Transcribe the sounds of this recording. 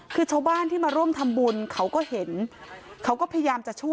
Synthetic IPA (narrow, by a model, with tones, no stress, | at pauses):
kʰɯː˧t͡ɕʰa˧˩wbaː˥˩nt̪ʰiː˥˩maː˧ɾu˥˩mt̪ʰa˧mbu˧nkʰa˦˥wkɔː˥˩he˩˦nkʰa˦˥wkɔː˥˩pʰːjajaː˧mt͡ɕa˨˩t͡ɕʰu˥˩ə